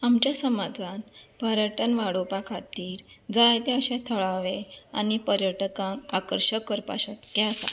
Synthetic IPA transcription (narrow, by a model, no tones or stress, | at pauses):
amt͡ɕjasəmad͡zʱanpəɾjəʈənʋaɽopakʰat̪iːɾd͡zajt̪eəɕɛ̃t̪ʰəɭaʋea̰ñipəɾjəʈkãmakəɾɕəkːəɾpa̰ɕat̪kɛəsa̰